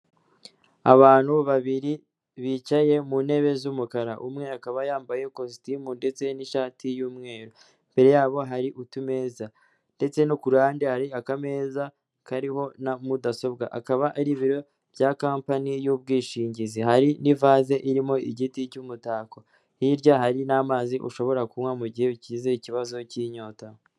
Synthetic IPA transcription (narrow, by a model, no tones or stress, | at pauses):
a̰βaːnhuβaβiɾi | βit͡ʃaje̞muːnhe̞βe̞zumukaɾaʔumŋe̞akaβajaːmbaje̞kos̬timunde̞t͡se̞niʃaːtʰijuːmŋe̞ːɾo | mbe̞ɾe̞jaːβo̞ɦaɾiʔutume̞ːza | nde̞t͡se̞nukuɾaːndehaɾiakame̞ːza | kaɾiho̞namudaso̞b̚ɡa̰ʔakaβaʔaɾiβiɾo̞ | b̥jaːkaːmpanijubɡiːʃiːɲɟizihaɾinivaːze̞ʔiɾimo̞iɟiticumutaːko | hiɾɟahaɾinamaːziʔṵʃo̞βo̞ɾakumwamuɟihe̞βicize̞iciβazo̞ciːɲo̞ːtaho